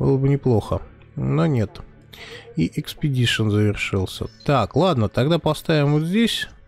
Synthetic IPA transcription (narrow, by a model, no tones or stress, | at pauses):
bɨ̰lˠəbɨnʲɪplˠo̞xə | nonʲe̞t̪ | iʔɪkspʲɪdʲiʂənzəvʲɪrʂɨlˠsʲə̰t̪aklˠad̪nət̪aɡd̪apɐst̪avʲɪmvot̪zʲdʲesʲ